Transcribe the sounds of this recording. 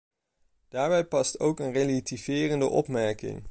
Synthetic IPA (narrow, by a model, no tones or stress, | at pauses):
d̥aːɹbɛjpɑstowkənrelativ̥ɪːrəndə̰ʔɔ̰pmɛɹkɪ̰ŋ